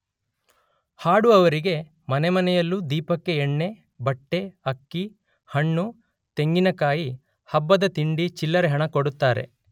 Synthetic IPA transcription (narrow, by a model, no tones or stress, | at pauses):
haːɽuɐʋɐɾiɡe̞ | mɐnemɐnɛjɐlːud̪iːpɐkːe̞ːɳːe̞ | bɐʈːe̞ɐkːi | hɐɳːu | t̪e̞ŋɡinɐkaːji | hɐbːɐd̪ɐt̪iɳɖit͡ʃilːɐɾeɦɐɳɐkoɽut̪ːaːɾe̞̰